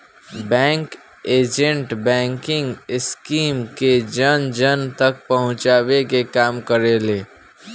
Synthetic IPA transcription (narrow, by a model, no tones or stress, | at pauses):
bɛ̃ːŋk | eːd͡ʒə̃ɳʈbɛ̃ːŋkɪ̃ŋɡɪskiːmked͡ʒənd͡ʒənt̪ɐk̚pɐɦʊ̃t͡ʃaːwekekaːmkəɾeːleː